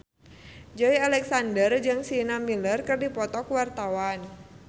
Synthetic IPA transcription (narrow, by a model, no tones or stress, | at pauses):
d͡ʒoialɛksandərd͡ʒɨŋsinamilərkɨrdipɔt̪ɔkwart̪awan